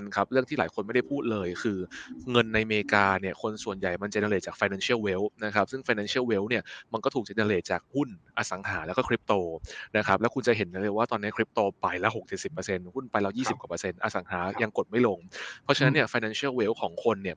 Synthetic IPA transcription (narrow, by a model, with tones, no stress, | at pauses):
nkʰa˦˥p̚ɾɯ˥˩ŋt̪ʰiː˥laː˨˦jkʰo˧nma˥˩jda˥˩jpʰuː˥˩t̪̚lɤː˧jkʰɯː˧ŋɤ˧nːa˧jmeː˧kaː˧ni˥˩əkʰo˧nsu˨˩ənja˨˩jma˧nt͡ɕa˨˩na˧leː˨˩t͡ɕaː˨˩kfa˧jnaː˧nsi˥˩əwwe˦˥wna˦˥kʰa˦˥p̚sɯ˥˩ŋfaː˧jnaː˧nsi˥əwe˦˥wni˥˩ma˧nkɔː˥˩t̪ʰu˨˩t͡ɕa˨˩na˧leː˨˩t͡ɕaː˨˩k̚hu˥˩nʔa˧sa˩˦ŋhaː˩˦lɛ˦˥wkɔ˥kʰɾi˦˥p̚t̪oː˧na˦˥kʰa˦˥plɛː˦˥kʰu˧nt͡ɕa˨˩ɦe˩˦nːa˧˦˥lɤː˧jwaː˥˩t̪ɔː˧nːi˦˥kʰɾi˦˥p̚t̪oː˧pa˨˧˩jlɛ˦˥ɦo˨˩k̚t͡ɕe˨˩t̚si˨˩pːə˧se˧nhu˥˩npa˧jla˦˥jiː˥˩si˨˩p̚kwa˨˩pə˧se˧nʔa˧sa˩˦ŋhaː˩˦ja˧ŋko˨˩t̪̚ma˥˩jlo˧ŋpʰɔ˦˥t͡ɕa˧na˦˥nːi˥˩əfaː˧jnaː˧nsi˦˥˩əwe˦˥wkʰɔː˩˦ŋkʰo˧nːi˥˩ɐ